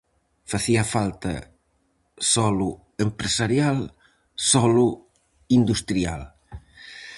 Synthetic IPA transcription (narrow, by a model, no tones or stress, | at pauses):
faθiɐfalt̪ɐ̰ | sɔlu | empɾesaɾjal | sɔlu | ind̪ust̪ɾia̰l